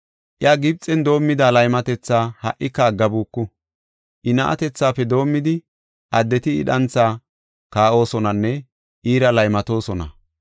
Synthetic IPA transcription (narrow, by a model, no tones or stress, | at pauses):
ʔɪjaɡɪb̚t͡sʼːɛnd̪o̞ːmːɪd̪aːlɐjmɐt̪ɛt͡sːaːhɐʔɪkːɐaɡɐbuːkːʊ | ʔɪnɐʔɐ̰t̪ɛt͡sːaːpːɛd̪o̞ːmːɪd̪ɪ | ʔɐd̪ːɛt̪ɪ̰ːᶑɐnt͡sːaː | kaːʔo̞ːsɔnɐnːɛ | ʔiːɾɐlɐjmɐt̪o̞ːsɔnɐ̰